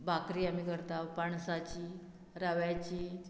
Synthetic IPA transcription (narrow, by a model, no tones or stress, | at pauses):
bakɾiːam̤ikəɾt̪apaɳsat͡ɕiː | ɾaʋjat͡ɕiː